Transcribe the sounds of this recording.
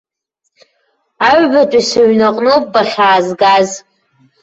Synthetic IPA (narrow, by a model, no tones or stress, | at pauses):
aɥbat͡ʃʷʼasaɥnaqʼnɨpʼbaχʲaːzɡaz